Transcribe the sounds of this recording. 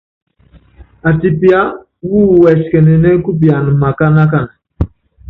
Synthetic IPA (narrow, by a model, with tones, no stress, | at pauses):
a˨ti˨pja˦ | wu˦˨wɛ˨skɛ˨nɛ˨nɛ˦ku˦p̬i˨a˨n˨ma˨ka˦na˦k̬a˦˨n˨